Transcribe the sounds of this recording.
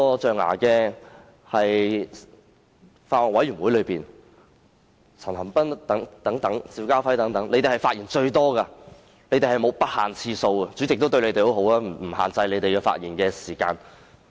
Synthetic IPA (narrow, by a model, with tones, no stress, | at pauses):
ɔ˧t͡ʃœː˨ŋa̰ː˨˩kɛː˧ | hɐ˨j | faː˧t̚wɔː˨˩nwɐ˨˥jɥyː˨˩nwu˨˥jlɵ˨˧piː˨˩n | t͡sʰɐ˨˩nhɐ˨˩mpɐ˥nt̪ɐ˨˥ŋt̪ɐ˨˥ŋt̪ɐ˨˥ŋsiː˨˥wkaː˥fɐ˨˥jt̪ɐ˨˥ŋt̪ɐ˨˥ŋlʔe˧˥jt̪e˨hɐ˨˩jfaː˧t̚iː˨˩nt͡ʃɵ˧ɥt̪ɔː˥ka˧ | le˨˥jt̪e˨jhɐ˨jmo˨˧wpɐ˥t̚haː˨nt͡sʰiː˧so˧wɐ˧t͡ʃyː˨˥t͡sɪ˨k̚t̪o˥wt̪ɵ˧le˨˧jt̪e˨jho˨˥wɦo˨˥wlaː˥m˨˩m̩˨˩ha̰ː˨nt͡sɐ˧jle˨˧jt̪e˨jkɛː˧fa̰ː˧t̚jiː˨˩nkɛː˧siː˨˩ka̰ː˧n